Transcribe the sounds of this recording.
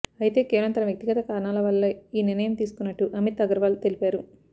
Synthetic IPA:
ɐjit̪e̞ːkeːʋɐɭɐmt̪ɐnɐʋjɐk̚t̪iɡɐt̪ɐkaːɾɐɳaːlɐʋɐlːɐiːniɾnɐjɐmt̪iːsu̥kunːɐʈːuʔɐmit̪ɐɡɐɾɐʋaːlt̪e̞lipaːɾu

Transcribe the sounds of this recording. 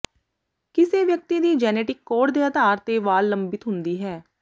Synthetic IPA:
kɪseːʋjək̚t̪iːd̪iːd͡ʒɛːneːʈɪkːoːʈd̪eːəd̪aːɾt̪eːʋaːlːəmbɪt̪ɦʊnd̪iːɦɛː

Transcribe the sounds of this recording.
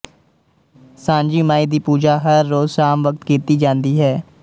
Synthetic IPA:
sãːnd͡ʒiːmaːiːd̪iːpuːd͡ʒaːɦəɾːoːzʃaːmʋək̚t̪kiːt̪iːd͡ʒãːnd̪iːɦɛː

